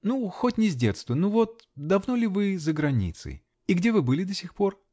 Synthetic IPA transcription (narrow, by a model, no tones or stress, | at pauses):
nuxot̚ʲnʲɪzʲdʲe̞̰t̪st̪vənuvo̞t̪̚ | d̪ɐvno̞lʲɪvɨzəɡɾɐnʲḭt̪sɨ̰j | ɪɡdʲe̞vɨbɨlʲɪd̪ɐsʲɪxpo̞r